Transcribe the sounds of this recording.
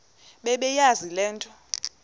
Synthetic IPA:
ɓɛɓɛjazilɛːntʼɔ

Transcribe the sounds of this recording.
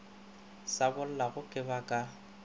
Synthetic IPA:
sabʊl̩laɣʊkʼɪbakʼa

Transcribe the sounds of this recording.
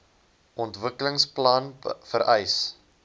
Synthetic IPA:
ʔɔntvəkələŋsplɐnfəɾʔɛjs

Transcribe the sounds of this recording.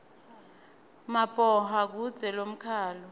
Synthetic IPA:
mapʼɔɦak̬ud̥z̥ʱɛlom̩kʰaːlɔ

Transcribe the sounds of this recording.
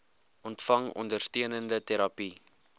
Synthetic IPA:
ɔntfɐŋɔ̰ndərstiənəndətɛɾɐpi

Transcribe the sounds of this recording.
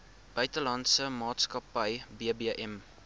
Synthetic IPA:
b̥œɥtəlɐntsəmɑːtskɐpəjbiəbiʔɛm

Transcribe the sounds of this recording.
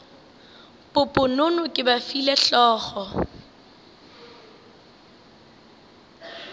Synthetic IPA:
pʼʊpʼʊnʊnʊkʼɪbafilɛɬɔːχɔ

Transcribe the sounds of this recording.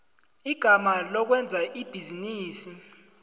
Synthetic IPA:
iɡ̥ʱamalɔk̬wɛnd͡zʱaʔib̥ʱiziniːsi

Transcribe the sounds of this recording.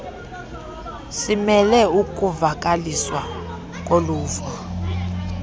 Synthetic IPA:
simɛlɛuk̬ʼuvak̬ʼaliswa | k̬ʼoluːfa

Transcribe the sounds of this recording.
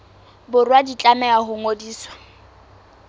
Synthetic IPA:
bʊrwadit͡ɬʼamɛaɦʊŋodiːswḁ

